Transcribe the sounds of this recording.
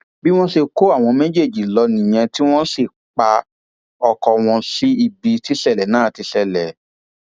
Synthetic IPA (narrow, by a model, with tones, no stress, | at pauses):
bi˦w̃ɔ̃˦ʃe˧ko˦a˦˨w̃ɔ̃˧mɛ̃˦d͡ʒe˦˨d͡ʒi˨lɔ˧nĩ˨j̃ɛ̃˧ti˦w̃ɔ̃˦si˦˨ | k͡pa˧ | ɔ˧kɔ˧w̃ɔ̃˧si˦i˧bi˧ti˦sɛ˦˨lɛ˨nãː˨˦˨ti˧sɛ˨lɛ˨